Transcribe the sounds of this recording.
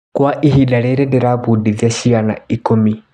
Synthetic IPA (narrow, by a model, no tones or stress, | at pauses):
kwaʔiɦidaɾɛɾɛdɛɾaβudiðiaʃiana̰ikumi